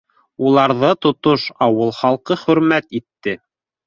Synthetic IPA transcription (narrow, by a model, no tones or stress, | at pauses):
ulˠɑɾðɤt̪ŏt̪oʃɑwɤlˠχɑlˠqɤχɵ̆ɾmæt̪it̪ːɘ